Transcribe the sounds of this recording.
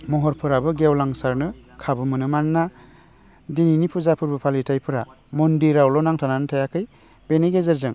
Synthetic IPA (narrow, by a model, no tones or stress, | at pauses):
mɔɦɔɾpʰɯɾabɯɡewlaŋsaɾnɯkʰabɯmɯnɯmanːa | dininipʰuzapʰɯɾbɯpʰalitʰajpʰɯɾa | mɔndiɾawlɔnaŋtʰananɯtʰajakʰɯj | b̥eneɡezɯɾzɯŋ